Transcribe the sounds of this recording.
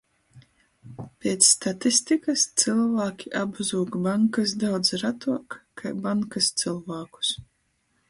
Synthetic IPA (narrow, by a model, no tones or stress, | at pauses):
pʲeːt̪sːt̪at̪ist̪ikast̪sɨlˠvaːkʲiʔabzuːkbaŋkasd̪awd̪zɾat̪uɔkkʰajbaŋkast̪sɨlˠvaːku̥s